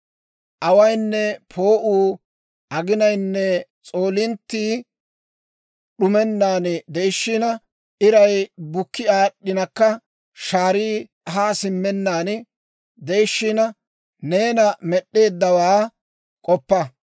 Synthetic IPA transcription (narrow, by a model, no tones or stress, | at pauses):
ʔɐwɐjnːɛpʰo̞ːʔuː | ʔɐɡɪnɐjnːɛt͡sʼo̞ːlɪnt̪ːiː | ɗʊmɛnːaːnd̪ɛjʃːinɐ | ʔɪɾɐjbʊkːɪaːɗːɪnɐkːɐ | ʃaːɾiː | ɐɦaːsɪmːɛnːaːn | d̪ejʃːɪnɐ | ne̞ːnɐmɛɗːe̞ːd̪ːɐwaː | kʼɔpːɐ